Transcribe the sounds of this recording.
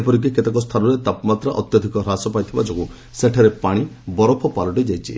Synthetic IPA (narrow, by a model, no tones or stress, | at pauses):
epɔɾik̬eket̪ekɔst̪ʰanuɾet̪apɔmat̪ɾaʔɔt̪jɔd̪ʱikɔɾasɔpajt̪ʰibad͡ʒɔku | seʈʰaɾepaɽ̃ibɔɾɔpʰɔpalɔʈid͡ʒajt͡ʃʰḭ